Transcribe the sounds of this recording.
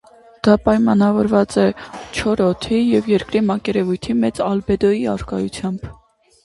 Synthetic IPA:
d̪̥ɑpɑjmɑnɑvɔɾvɑt͡sɛt͡ʃʰɔɾɔt̪ʰijɛvjɛɾkɾimɑkɛɾɛvujt̪ʰimɛt͡sɑlbɛd̪ɔjiɑ̰ɾkɑ̰jut͡sʰjɑmb̥

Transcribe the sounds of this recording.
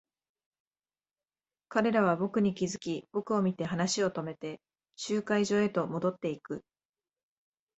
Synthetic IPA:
kaɾe̞ɾaβ̞abo̞kɯ̟ɲ̟ikʲizɨkʲib̥o̞kɯ̟o̞mʲit̪e̞ɦanaɕio̞t̪o̞me̞t̪e̞ | ɕɨːkaiʑo̞ːe̞t̪o̞mo̞d̪o̞t̪ːe̞ikɯ̟

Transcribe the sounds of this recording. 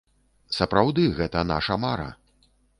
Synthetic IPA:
sɐpɾawd̪ɨɣɛt̪ɐna̰ʂɐmaɾɐ̰

